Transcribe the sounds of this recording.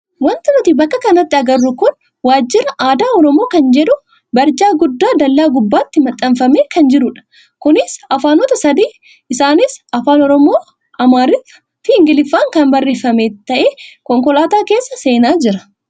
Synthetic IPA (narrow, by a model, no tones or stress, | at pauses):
wɐnt̪ɪmɪt̪ɪbɐkːɐkɐnɐt̪ːɪɐɡɐrːʊkʊn | waːd͡ʒːɪɾɐʔaːd̪aːɔɾɔmoːkɐnd͡ʒɛᶑʊ | bɐɾd͡ʒaːɡʊd̪ːaːd̪ɐlːaːɡʊbːaːt̪ːɪmɐt̪ʼːɐmfɐmeːkɐnd͡ʒɪɾʊᶑɐ̥ | kʊnɪsɐfaːnot̪ɐsɐd̪iː | ɪsaːnɪsɐfaːnɔɾɔmoː | ɐmaːɾɪtːɐ̥ | fɪɪŋɡɪlɪfːaːŋkɐnbɐrːeːfɐmeːt̪ːɐʔeːkɔŋkɔlaːt̪aːke̞ːsːɐse̞ːnaːd͡ʒɪɾɐ̥